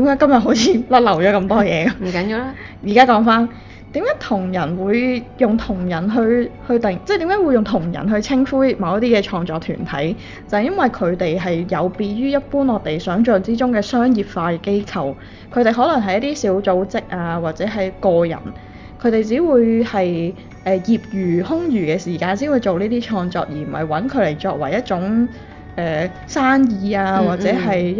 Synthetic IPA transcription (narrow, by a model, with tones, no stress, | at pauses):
t̪i˨˥mkaː˨˥kɐ˥mjɐ˨t̚ɦo˨˥wt͡sʰiː˨˧lɐ˥t̚lɐ˨˩wt͡ʃɔː˨˥kɐ˧mt̪ɔː˥jɛː˨˧m̩˨˩kɐ˨˦njiː˧wla˦ | jiː˨˩kaː˥kɔː˨˥ŋfaː˥n | t̪iː˨˥mkaː˨˥t̪ʰʊ˨˩ŋjɐ˨˩nwuː˨˧jjʊ˨ŋt̪ʰʊ˨˩ŋjɐ˨˩nɦɵ˧ɥhɵ˧ɥt̪ɪ˨ŋt͡sɛ˥t̪iː˨˥mkaː˨˥wu˨˧jʊ˨ŋt̪ʰʊ˨˩ŋjɐ̰˨˩nɦɵ˧ɥt͡sʰɪ˥ŋfuː˥j̚mɐ˨˧wjɐ˥t̪iː˥kɛː˧t͡ʃʰɔː˧ŋt͡sɔː˧k̚t̪ʰy̰ː˨˩nt̪ʰɐ̰˨˥j | t͡sɐ˨hjɐ˥nwɐ˨jkʰɵ˨˧t̪e˨jɦɐ˨jjɐ˨˧wpiː˧ɥyː˥jɐ˥t̚puː˥nɔː˨˧t̪e˨˩jsœː˨˥ŋt͡ʃœː˨ŋt͡siː˥t͡sʊ˥ŋkɛː˧sœː˥ŋjiː˨˩p̚faː˧kːke˥jkʰɐ˨w | kʰɵ˨˧ɥt̪e˨jɦɔː˨˥lɐ˨˩ŋɦɐ˨˩jɐ˥t̪iː˥siː˨˥wt͡so˨˥wt͡sɪ˥k̚ʔaː˧waː˨t̚t͡sɛː˨˥ɦɐ˨jkɔː˧jɐ̰˨˩n | kʰɵ˨˧t̪e˨jt͡siː˨˥wuː˨˧jhɐ˨j | ʔɛː˨˩jiː˨p̚jyː˨˩hʊ˥ŋjyː˨˩kɛː˧siː˨˩kaː˧nsiː˨˥nwuː˨˧jt͡so˨wniː˥t̪iː˥t͡ʃʰɔː˧ŋt͡sɔ̰ː˧k̚jiː˨˩m̩˨˩hɐ̰˨jwɐ˨˥nkʰɵ˨˧ɥle˨˩jt͡sɔː˧k̚wɐ˨˩jjɐ˥t̚t͡sʊ˨˥ŋ | ʔɛː˨ | saː˥njiː˨˧aː˧waː˨t̚t͡sɛː˨˥ɦɐ˨j